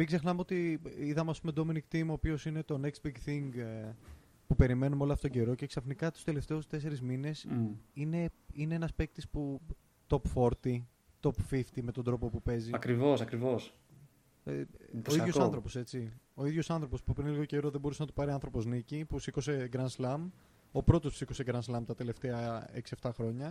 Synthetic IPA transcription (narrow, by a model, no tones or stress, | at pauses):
mikze̞xnɐmeot̪iiðɐmeɐspumod̪o̞menikt̪imo̞ːpio̞sine̞t̪o̞neksbiɡθiŋɡ | pupe̞ɾime̞numeolɐfot̪oɟe̞ɾo̞ce̞ksɐfnikɐt̪u̥st̪e̞le̞ft̪e̞ust̪e̞se̞ɾizmine̞sine̞ineenɐspek̚t̪ispu | t̪o̞pfo̞ɾt̪i | t̪o̞pfift̪ime̞t̪o̞nd̪ɾo̞po̞pupe̞ziɐkɾivosɐkɾivos | eoiʝo̞sɐnθɾo̞po̞se̞t͡sio̞iðʝo̞sɐnθɾopo̞spupɾinliɣo̞ce̞ɾo̞ðebo̞ɾusenɐt̪upɐɾiɐnθɾo̞po̞znicipupsiko̞seɡɾɐnslɐm | o̞pɾo̞t̪ospsiko̞se̞ɡɾɐnslɐmt̪ɐt̪e̞le̞ft̪e̞ɐeksieft̪ɐxɾo̞ɲɐ